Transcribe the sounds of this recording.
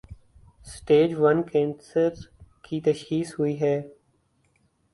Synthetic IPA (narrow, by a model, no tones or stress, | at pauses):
sʈeːd͡ʒʋənkẽːnsəɾkit̪əʃkiːshʊiɦɛː